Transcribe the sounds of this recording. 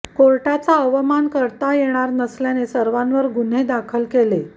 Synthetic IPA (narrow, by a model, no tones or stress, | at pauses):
koɾʈat͡saəʋəmankəɾt̪ajeɽ̃aɾnəsljanesəɾʋãnʋəɾɡun̤ed̪akʰəlkele